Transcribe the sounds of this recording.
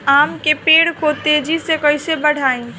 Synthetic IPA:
aːmkepeːɽkot̪ed͡ʒisekəɪsebəɽ̤aːĩ

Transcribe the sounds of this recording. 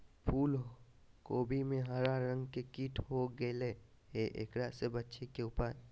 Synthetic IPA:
pʰuːlɦo | koːbʱimẽɦaɾaɾə̃ŋɡkekiːʈʰɦoɡele | eʔḛkɾasebətːʃekeʊpə

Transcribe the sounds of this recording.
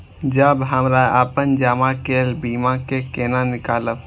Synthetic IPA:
d͡ʒəbɦəmɾaaːpənd͡ʒaːmãkeːlbiːmãkekeːnanɪkaːlə

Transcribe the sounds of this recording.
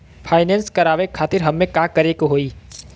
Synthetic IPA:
pʰaːɪnẽnskɐɾaːʋekʰaːt̪ɪɾɦɐmːẽkakəɾekoɦoːiː

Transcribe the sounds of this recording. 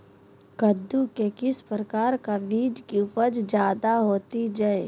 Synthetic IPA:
kəd̪ukekɪspɾəkaːɾkaʋiːd͡ʒkiʊpəd͡ʒd͡ʒjaːd̪aɦoːt̪id͡ʒae

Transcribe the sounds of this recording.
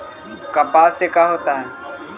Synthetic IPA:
kəpaːsekaːɦoːt̪aːɦɛː

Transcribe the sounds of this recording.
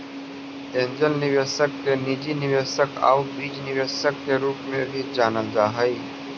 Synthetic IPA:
ẽnd͡ʒəlniʋesək̚tenid͡ʑiniʋesəka̰wbiːd͡ʒniʋesək̚keɾuːpmebʱid͡ʒaːnəld͡ʒaɦəj

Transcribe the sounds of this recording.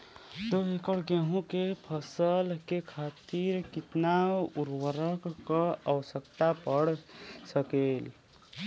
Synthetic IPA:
t̪oɦekəɽɡeɦũkepʰəsəlkekʰat̪iɾkit̪nauɾwəɾəkːəəwəsəkt̪apəɽsəkel

